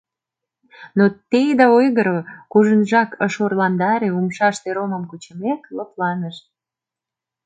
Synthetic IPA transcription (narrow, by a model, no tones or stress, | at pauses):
not̪ejd̪ɑojɣəɾokuʒənʒɑkəʃorlɑnd̪ɑɾeumʃɑʃt̪eɾoməmkut͡ɕəmekləplɑnəʃ